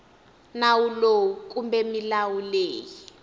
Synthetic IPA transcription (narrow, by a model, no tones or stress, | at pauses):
nawulok̬ʼumbɛmilawuleːji